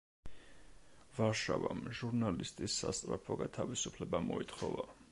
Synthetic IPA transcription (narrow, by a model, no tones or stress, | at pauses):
vaɾʃavamʒuɾnalist̪ʼisːast̪sʼɾapʰɔɡat̪ʰavisupʰlɛbamɔit̪ʰχɔva